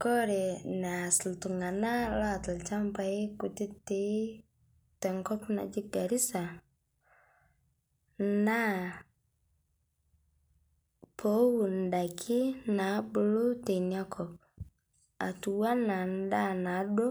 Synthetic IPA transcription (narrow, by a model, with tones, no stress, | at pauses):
kɔ˦ɾɛ˨na˨sltu˨ŋa˨na˦la˦˨ta˨lt͡ʃa˦mpa˨i˦ku˨ti˦te˦ | tɛ˨ŋkɔ˦pna̰˨d͡ʒi˦ɡa˨ɾi˦sa˨ | na˦ | pʰo˦wu˨nda˨kʰi˦na˨˦bu˨˦lʊ˦te˨nɲa˦kʰɔ˨p̚ | a̰˨tu˨wa˦na˨n˦da˦na˨˦do˦